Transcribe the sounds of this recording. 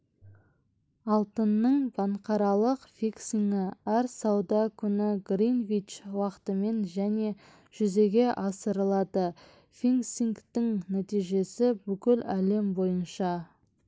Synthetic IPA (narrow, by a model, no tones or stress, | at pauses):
ɑlˠt̪ənːəɴbɑɴqɑɾɑlˠəqfʲiksiŋɡɪæɾsɑwd̪ɑkʲʰʏnɪɡrinvit͡ʃwɑqə̥t̪əme̞nʒæne̞ | ʒ̥ʏze̞ɡʲe̞ʔɑsəɾəlˠɑd̪ə | fiŋsiŋkt̪ɪŋnæt̪ijʒe̞sɪbʏkʲɪlæle̞mbo̞jənʃɑ